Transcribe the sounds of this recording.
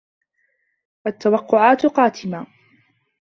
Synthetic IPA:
ʔat̪ːawɑqːʊʕaːt̪qɑːt̪ʰɪmaː

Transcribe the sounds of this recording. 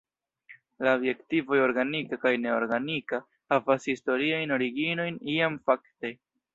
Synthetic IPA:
laobje̞ktivo̞joɾɡanikakajne̞o̞ɾɡanika | havashisto̞ɾiajno̞ɾiɡino̞jniamfakte̞

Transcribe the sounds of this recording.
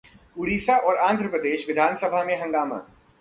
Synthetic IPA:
ʊɾiːsaʔɔːɾãːnd̪ʱɾəpɾəd̪eːʃʋɪd̪ʱaːnsɐbʱamẽɦɐ̃ŋɡaːmã̰ː

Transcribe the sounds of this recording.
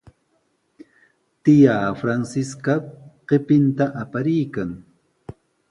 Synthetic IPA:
t̪ɪjaːfɾansɪskaqepɪnt̪aʔapaɾɪjkaŋ

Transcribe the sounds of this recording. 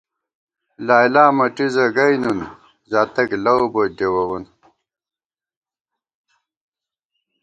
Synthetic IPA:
laːjlaːmɐʈizɐɡɐjnun | zaːt̪ɐklɐwbodewɐwun

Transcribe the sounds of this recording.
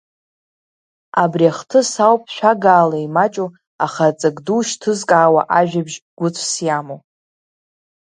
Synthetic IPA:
abriaχtʰɨsawpʼʃʷᶣaɡaːlaimat͡ʃʼu | aχat͡sʼaɡduʃtʰɨzkʼaːwa̰ʔaʒᶣabʒɡ̥ʷʊt͡sʷʰsjamo

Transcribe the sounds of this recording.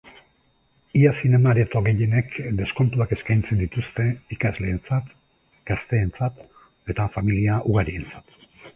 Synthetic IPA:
iasine̞maɾet̪oɣe̞je̞ne̞kd̪e̞sko̞nt̪uake̞skajnt͡se̞nd̪it̪ust̪e̞ikazle̞ːnt͡sat̪ | ɡ̥ast̪e̞ːnt͡sat̪ | e̞t̪afamiliaʔuɣaɾie̞nt͡sḁt̪

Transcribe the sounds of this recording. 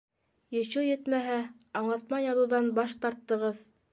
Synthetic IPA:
jɤ̆ɕujɘt̪mæɦæ | ɑɴlˠɑt̪mɑjɑðŭwðɑnbɑʃt̪ɑɾt̪ːɤ̆ʁɤð

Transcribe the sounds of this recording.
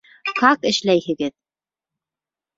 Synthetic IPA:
hɑqɘ̆ʃlæjhɘ̆ɡɘð

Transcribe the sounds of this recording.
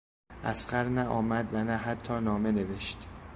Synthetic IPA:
ʔæsɢæɾnæʔɒːmæd̪vænæɦæt̪ʰːɒːnɒːme̞ne̞ve̞ʃt̪

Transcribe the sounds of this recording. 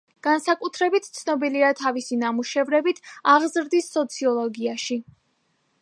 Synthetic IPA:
ɡ̥ansakʼut̪ʰɾɛbit̪ʰt̪sʰnɔbiliat̪ʰavisinamuʃɛvɾɛbit̪ʰaʁzɾd̪isːɔt̪sʰiɔlˠɔɡiaʃi

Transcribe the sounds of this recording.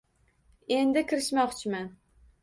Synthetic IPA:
end̪ɪkʲɪɾɪʃmɒχt͡ʃʰɪman

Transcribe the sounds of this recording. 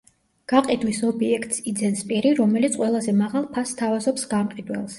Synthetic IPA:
ɡ̥aqʼid̪wisɔbiɛkʰt̪ʼsid̪zɛnspʼiɾiɾɔmɛlit̪sʰqʼwɛlˠazɛmaʁalˠpʰasːt̪ʰavazɔpsɡ̥amqʼid̪wɛ̰lˠs

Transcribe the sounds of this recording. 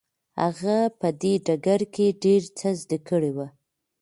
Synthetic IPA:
ha̰ɣapəd̪eɖaɡaɾkeɖeɾt͡səzd̪akəɽewa

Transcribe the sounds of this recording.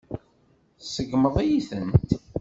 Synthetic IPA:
səɡməðˤijiθənt̪

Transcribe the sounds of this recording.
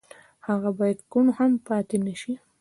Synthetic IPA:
haɣabɑjad̪konohampɑt̪enəʃi

